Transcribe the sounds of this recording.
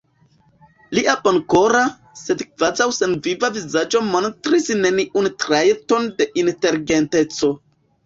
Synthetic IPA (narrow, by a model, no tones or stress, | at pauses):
liʔapanko̞ɾa | se̞dkv̥azawsenvivavizad͡ʒo̞montɾisne̞niʔuntɾajeto̞nde̞ʔinte̞ɾɡente̞t͡so̞